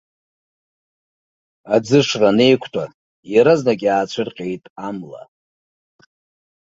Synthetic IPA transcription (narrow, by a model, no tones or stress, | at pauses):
ad͡zɨʂrane̞jkʷʰtʰʷʼa | jaɾaznakʲʼaːt͡ɕʷʰɨrqʲʼejtʼamla̰